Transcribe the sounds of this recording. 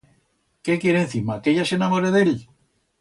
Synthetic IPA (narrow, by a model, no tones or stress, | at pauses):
kekjeɾẽn̟θimakeʎasenamoɾeðeʎ